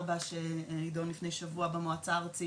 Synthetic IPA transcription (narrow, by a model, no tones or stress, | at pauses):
baʃenidonlifne̞jʃavuabemoat͡saʁt͡si